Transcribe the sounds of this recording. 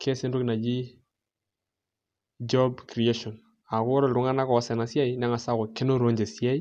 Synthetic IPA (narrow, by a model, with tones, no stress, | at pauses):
kʰe˦sɪ˦ndu˦kna˨d͡ʒi˦ | d͡ʒɔ˦bkɾi˨e˦ʃɔ˨n | a˨kʊ˦ɾɔ˨ɾʊ˨ŋa˦na˦kɔ˨˦sɛ˨na˨sja˦i˦na˦ŋa˨sa˦kʊ˨kɪ˦no˦ɾo˦ɲd͡ʒe˨sja˦i˦